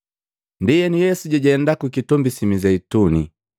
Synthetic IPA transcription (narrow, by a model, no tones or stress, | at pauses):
ndijɛnijɛsuɟaɟɛɛndakukitɔmbisimizɛituni